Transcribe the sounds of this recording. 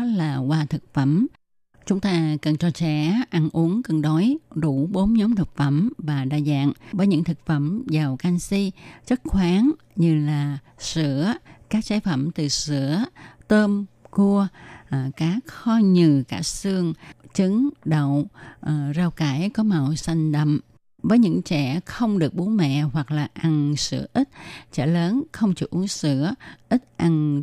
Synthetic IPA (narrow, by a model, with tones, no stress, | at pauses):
laː˨˩kwaː˧t̪ʰɨ˨˩k̚fə˧˩m | t͡ɕʊ˨˦ŋ͡mt̪aː˧kə˨˩nt͡ɕɔ˧t͡ɕɛ̰˧˥˦ʔa˧nʔu˨˦əŋkə˨˩nɗɔ˨˦jɗu˧˩ɓo˨˦mɲɔ˨˦mt̪ʰɨ˨˩k̚fə˧˩mvaː˨˩ɗaː˧˨za̰ː˧˨ŋvəː˨˦jɲɨ̰˧˥ŋt̪ʰɨ˨˩k̚fə˧˩mzaː˨˩wka˧ŋsi˧˥zə˦˥t̚xwaː˨˦ŋ | ɲɨ˧laː˨˩ | sɨ̰˧˩əkaː˦˥k̚saː˧˦jfə˧˩mt̪ɨ˨˩sɨ̰˧˥ət̪əː˧mku˧əʔkaː˨˦k̚xɔ˧ɲɨ˨˩kaː˧˩sɨ˧əŋt͡ɕɨ˨˦ŋɗə˧˨wʔzaː˧˩wkaː˧˩jkɔ˨˦ma˨˩wsa˧jŋ̟ɗə̰˧˨m | vəː˨˦jɲɨ̰˧˥ŋt͡ɕɛ̰˧˩xə˧wŋ͡mɗɨ˨˩ək̚ɓu˨˦mɛ̰˧˨hwa˨˩k̚laː˨˩ʔa˧ŋsɨ̰˧˩əʔi˦˥t̚t͡ɕɛ̰˧˩ləː˨˦nxə˧wŋ͡mt͡ɕṵ˧˩˦ʔu˨˦əŋsɨ̰˧˥əʔi˦˥t̚ʔa˧ŋ